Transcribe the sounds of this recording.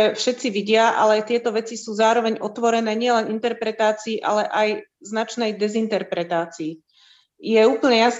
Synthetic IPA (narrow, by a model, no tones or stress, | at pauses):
ɛfʃɛtt͡siʋiɟɪaʔa̰lɛt̪ɪɛt̪ɔʋɛt͡sisuːzaːɾɔʋɛɲʔɔt̪ʋɔɾɛnɛːɲɪɛlɛnint̪ɛɾpɾɛt̪aːt͡siːʔa̰lɛʔajznat͡ʃnɛjd̪ɛzint̪ɛɾpɾɛt̪aːt͡siː | jɛuːpl̩ɲɛjas